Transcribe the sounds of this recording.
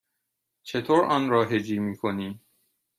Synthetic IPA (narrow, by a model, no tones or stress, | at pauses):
t͡ʃʰet̪ʰoːɾɒːnɾɒːɦed͡ʒiːmiːkʰoniː